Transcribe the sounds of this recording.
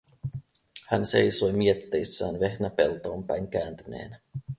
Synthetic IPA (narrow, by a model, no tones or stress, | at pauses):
hænse̞jso̞jmiet̪ːejsːæːnʋe̞hnæpe̞̰lt̪o̞ːmpæjŋk̟æːnt̪yne̞̰ːn